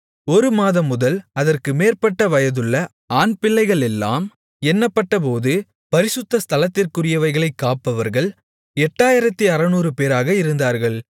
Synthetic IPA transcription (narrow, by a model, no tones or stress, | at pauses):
ɔɾɯmaːðɐmːʊðɐlɐðɐrkɯmeːɾpɐʈːɐʋɐjɐðɯɭːɐ | aːnpɪɭːɐɪɣɐɭɛlːa̰ːm | ɛnːɐpːɐʈːɐp̬oːðɯ | pɐɾɪsɯt̪ːɐst̪ɐlɐt̪ːɪrkɯrɪjɐʋɐɪɣɐɭɐɪkːaːpːɐʋɐɾɣɐɭ | ɛʈːaːjɪɾɐt̪ːiɐɾɐnuːɾɯpeːɾaːɣɐɪɾɯnd̪aːɾɣɐɭ